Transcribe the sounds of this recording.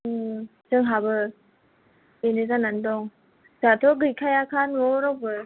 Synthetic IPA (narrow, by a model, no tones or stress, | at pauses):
ɯ | zɯŋɦabɯ | enezanandɔŋ | zat̪ʰɔɡɯjkʰajakʰanwɔɾɔwbɯ